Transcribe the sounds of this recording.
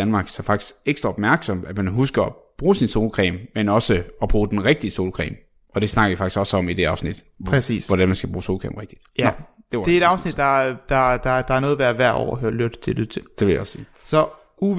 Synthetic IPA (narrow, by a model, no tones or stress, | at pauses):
ænmɑ̈ːɡ̥sɑfɑ̈ɡ̥d̥i̥sɡ̥eɡ̥sd̥ʁɐɒ̽b̥mæɐɡ̥sɒ̽mæd̥mænɦusɡ̥ɐɒb̥ʁuːsinso̝ːlkʰʁɛ̰ːmmenɒ̽səɒ̽b̥ʁuːd̥enʁeɡ̥̚d̥iəso̝ːlkʰʁɛ̰ːm | ʔɒ̽d̥e̝snɑ̈ɡ̥ɐifɑɡ̥isɡ̥ɒ̽səɒ̽mid̥e̝ɑ̈ʊsnid̥ʰ | sḭːsʋɒdænmænsɡ̥æb̥ʁuːso̝ːlkʰʁɛ̰ːmʁeɡ̥d̥i̥d̥ɒ | d̥eɐ̥eedɑʊsnid̥dɑ̈d̥ɑd̥ɑd̥ɑ̈æɐnɔːð̩ˠʋæɐʋæɐ̰ɒ̰ːɦøɐ̰lyd̥t͡sʰe̝lyð̰ˠt͡sʰe̝ld̥e̝ʋe̝ljaɒ̽siːsɒ | u